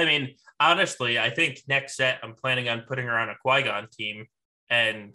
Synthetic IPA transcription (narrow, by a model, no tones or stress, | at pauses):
aɪmĩnɑnɨstˡliaɪθɪ̃ŋknɛksɛɾãɪ̃mpʰl̥æ̃ñɪ̃ŋɨ̃npʰʊɾɪ̃ŋə˞ãʊ̃ndɨkʰw̥aɪɡɑ̃ntʰĩm | ɨ̃n